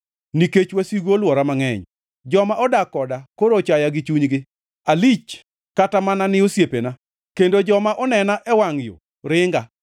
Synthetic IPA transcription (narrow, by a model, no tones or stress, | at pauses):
niket͡ʃwasiɡolwɔɾamaŋɛɲ | d͡ʒɔmaʔɔdakɔdakoɾot͡ʃajaɡɪt͡ʃuɲɡɪ | alit͡ʃ | katamananɪosjepena | kendod͡ʒɔmaʔɔnɛnaʔɛwaŋɪjo̰ | ɾɪŋɡa